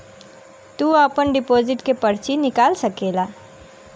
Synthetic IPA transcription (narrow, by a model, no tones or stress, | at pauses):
t̪uːapənɖɪpoːzɪʈkepɐɾt͡ʃinɪkaːlsɐkeːlaː